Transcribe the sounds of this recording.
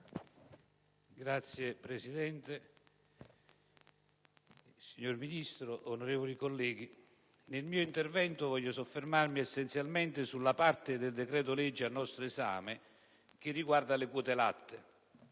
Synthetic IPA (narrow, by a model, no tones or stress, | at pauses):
ɡɾat̪sːjepɾesid̪ɛnt̪e | siɲːorminist̪ɾʊʔonoɾɛːvolikolːɛːɡ̟i | nelmiːoint̪ervɛnt̪ʊvɔʎːʊsofːermarmiɛsːɛnt̪sjalmɛnt̪ɪsulːapart̪ɪd̪ɪld̪ekɾɛːt̪ʊlɛd͡ʒːianːɔst̪ɾoeza̰ːmɪ | k̟ɪrːiɡward̪alɪkuɔːt̪ela̰t̪ːɪ